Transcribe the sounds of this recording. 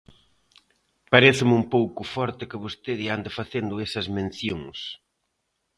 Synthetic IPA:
paɾeθɪmumpowkʊfɔɾt̪ɪkɪβost̪eðɪand̪ɐfaθend̪ʊɛsɐzmẽn̟θjoŋs

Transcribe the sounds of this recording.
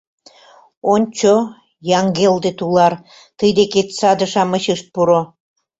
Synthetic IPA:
onʲt͡ɕo | jɑŋɡeld̪et̪ulɑr | t̪əjd̪eket̪sɑd̪ə̆ʃɑməɕɯʃt̪̚puɾo

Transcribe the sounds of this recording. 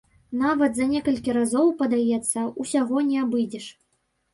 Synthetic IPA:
navɐt̪zɐnʲɛkɐlʲkʲiɾazɔwpɐd̪ajɛt̪sːɐusʲaɣɔnʲɛabɨd͡zʲɛʂ

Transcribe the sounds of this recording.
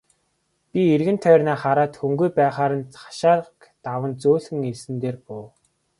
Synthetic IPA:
pʲierɣɘ̆nt̪ʰœːrnaːχaɾaːt̪xɵŋɡujpæːχaːɾə̆nḁʃaːɾəkt̪awə̆nt͡soːɮɘ̆ŋesɘ̆nt̪eːrpʊː

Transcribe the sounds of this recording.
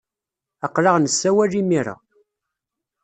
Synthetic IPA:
əqːlɑʁnəsːæwælimiɾa̰

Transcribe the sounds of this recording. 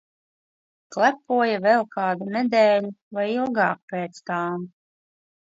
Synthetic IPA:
klˠæpuɔjavɛlˠkɑːd̪unɛd̪ɛːluvajilˠɡɑːk̚peːt̪st̪aːm

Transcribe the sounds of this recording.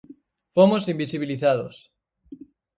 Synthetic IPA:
fomosimbisiβ̞iliθaðo̰s

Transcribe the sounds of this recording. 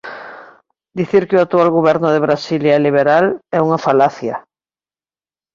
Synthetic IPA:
d̪iθiɾkɪoak̚t̪ualɣoβ̞ɛɾnʊðeβɾasiljaɛliβ̞eɾalɛuŋafalaθja̰

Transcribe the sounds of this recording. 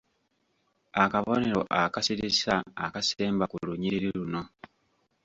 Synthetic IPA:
akaβo̞ne̞ɾo̞ʔakasiɾisa̰ːkase̞ːmbakuluɲiɾiɾiɾuno̞

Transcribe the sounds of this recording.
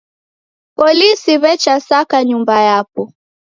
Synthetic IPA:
pɔlisiβɛt͡ʃasakaɲumbajapɔ

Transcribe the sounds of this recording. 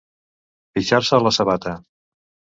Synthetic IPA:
piʃaɾsəːləsəβat̪ə

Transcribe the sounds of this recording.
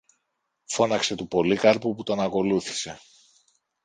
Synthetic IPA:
fo̞nɐkse̞t̪upo̞likɐɾpuput̪oɐnɐko̞luθi̥se̞

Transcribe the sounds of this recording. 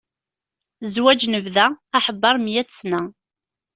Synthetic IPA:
zwæd͡ʒnəvðæːħəbːɑɾˤmjæt͡sːnæ

